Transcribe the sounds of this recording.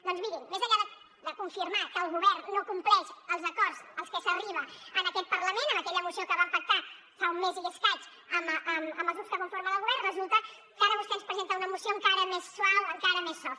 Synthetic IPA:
d̪ɔnzmiɾinmezəʎːaðə | d̪əkuɱfiɾmakəːlˠɣuβɛrnːokumplɛʃəlˠzəkɔɾzəlˠskəsəriβəənəkɛt̪̚pəɾləmenənəkɛʎəmusiokəβampək̚t̪a | faumːeziʎəskat͡ʃ | əməʔəməmbəlˠzɣuskəβoɱfoɾməðəlɣuβɛɾrnrəzulˠt̪ə | kaɾəβust̪ɛnspɾəzent̪əunəmusioəŋkaɾəmesːwawəŋkaɾəmesːɔ

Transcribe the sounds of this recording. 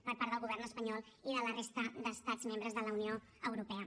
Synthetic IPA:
pəɾpaɾðəlˠɣuβɛɾnəspəɲɔlˠiðələrest̪əd̪əst̪ad͡zzmẽmbɾəzðələunio | əwɾupɛə

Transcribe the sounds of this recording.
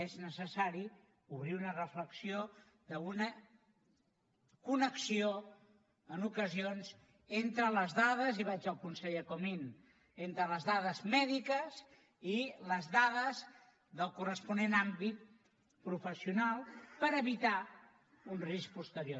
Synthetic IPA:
eznəsəsaɾi | uβɾiunərəfləksio | ðəunə | kunəksio | ənukəzionz | ent̪ɾələzðaðəziβad͡ʒəlˠkunsɛʎəkomin | ent̪ɾələzðaðəzmɛðikəz | iləzðaðəz | ðəlˠkurəspunenambit̪̚ | pɾufəsiunalˠpəɾəβit̪a | unrisk̚pust̪əɾjo

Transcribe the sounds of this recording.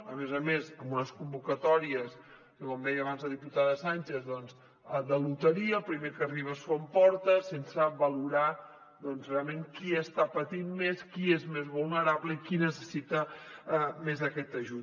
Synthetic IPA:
əmezəmezəmbunəskumbukət̪ɔɾiəs | kəkɔmd̪ɛjəβanzðəðiput̪aðəsanʲt͡ʃezðɔnz | d̪əlut̪əɾiəpɾimekəriβ̞əsompɔɾt̪əsensəβəluɾa | d̪ɔnzrealˠmeŋkiəst̪apət̪immeskiezmezβulˠnəɾaβləikinəsəsit̪ə | mezðəkɛt̪əʒut̪

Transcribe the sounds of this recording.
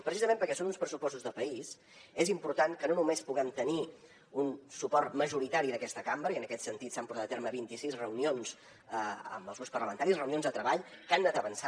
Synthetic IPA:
pɾəsizəmẽmpəɾkɛsonunspɾəsupɔst̪uzðəpəis | ezimpuɾt̪aŋkənonumespuɣɛmt̪əni | unsupɔɾt̪məʒuɾit̪aɾiðəkɛst̪əkambɾəiənəkɛt̪sənt̪it̪sampuz̥at̪ət̪eɾməβint̪isizrəunionz | əə̰mbəlˠzɣuspərləmənt̪aɾisrəunionzðət̪ɾəβaʎkanːat̪əβənsa

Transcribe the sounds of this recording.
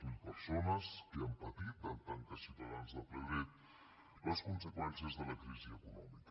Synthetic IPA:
impəɾsonəskəəmpət̪it̪̚d̪aənt̪aŋk̪əsit̪əðanzðəlˠplɛwɾɛt̪ | ləskunsəkwɛnsiəzðələkɾiziəkunɔ̰mikə

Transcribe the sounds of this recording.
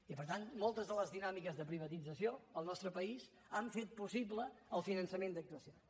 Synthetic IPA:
ipəɾt̪anmolˠt̪əzðələzðinamikəzðəpɾiβət̪id͡zəsioəlˠnɔst̪ɾəpəis | aɱfet̪̚pusibləəlˠfinənsəmend̪ək̚t̪uəsio

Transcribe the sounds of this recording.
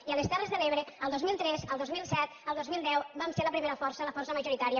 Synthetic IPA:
iəlest̪alezðəleβɾeəlˠd̪ozmilˠt̪ɾɛzəlˠd̪ozmilˠsɛt̪əlˠd̪ozmilˠd̪ɛwbamseləpɾimeɾəfɔɾsələfɔrsəməʒuɾit̪aɾiə

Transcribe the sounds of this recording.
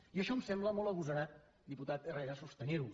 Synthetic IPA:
iəʃɔmsembləmɔlˠɐβuzɐɾa | d̪iput̪at̪erejɾasust̪ɐneɾu

